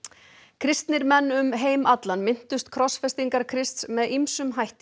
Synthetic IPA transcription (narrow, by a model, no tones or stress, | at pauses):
kʰɾɪst̪nɪɾmɛnːʏmɦeːjmat̪lanmɪn̥t̪ʏst̪kʰɾɔsfɛst̪iŋkaɾkʰɾɪst̪smɛðimsʏmɦajht̪